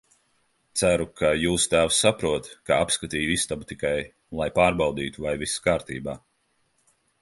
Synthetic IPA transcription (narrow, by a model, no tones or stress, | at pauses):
t̪sæɾukʰajuːst̪æːwsːapɾuɔt̪kaapskat̪iːjuist̪abut̪ikaj | lˠajpaːɾbɑwd̪iːt̪uvajviskaːɾt̪ḭːbaː